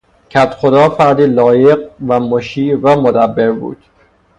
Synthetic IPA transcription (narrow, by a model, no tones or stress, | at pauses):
cʰæt̪xod̪ɒːfæɾd̪iːlɒːjeɢ̚væmoʃiːvæmod̪æbːeɾbṵːd̪̥